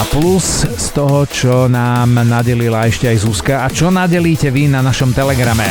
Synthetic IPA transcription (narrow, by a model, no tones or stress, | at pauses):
aplusst̪ɔɦɔt͡ʃɔnaːmnaɟɛlilaɛʃcɛajzuskaːt͡ʃɔnaɟɛliːcɛʋinanaʃɔmt̪ɛlɛɡɾamɛ